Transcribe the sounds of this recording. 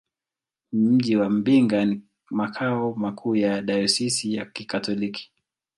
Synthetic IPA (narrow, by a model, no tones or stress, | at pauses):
m̩ʄiwam̩biŋɡani | makʰaɔmakʰuːjaɗajɔsisijakikatɔliki̥